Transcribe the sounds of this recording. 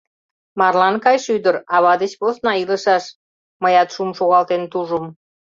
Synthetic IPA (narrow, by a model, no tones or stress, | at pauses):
mɑrlɑnkɑjʃyd̪əɾɑβɑd̪et͡ɕposnɑiləʃɑʃ | məjɑt̪ʃumʃoɣɑlt̪ent̪uʒəm